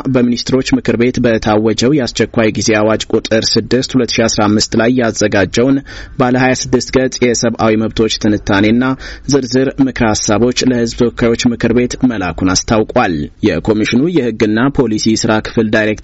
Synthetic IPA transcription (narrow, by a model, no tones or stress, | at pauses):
bəminist̪ʰɾo̞t͡ʃːmɨkʰɨɾbe̞t̪bət̪ʰawːɔd͡ʒɛwjɛast͡ʃːɛkʷːajɡize̞awad͡ʒkʼut̪ʼɨɾsɨd̪ːɨst̪hulət̪ːɨ̥ʃiasɾamːɨst̪lajːazːəɡad͡ʒːəwnbaləhajasɨd̪ːɨst̪ɡət͡sʼjɛsəβʔawiməβt̪ʰo̞t͡ʃːt̪ʰɨnɨt̪ʰːane̞nːazɨɾzɨɾmɨkɾhasːaβo̞t͡ʃːləhɨzbt̪ʰəwɔkʰːajwo̞t͡ʃːmɨkʰɨɾbe̞t̪məla̰kʰunast̪ʰawkʼaljɛkʰo̞miʃɪnujɛhɨɡːɨnːapʰo̞lisisɨɾakʰɨ̥fɨld̪ajɾe̞kt̪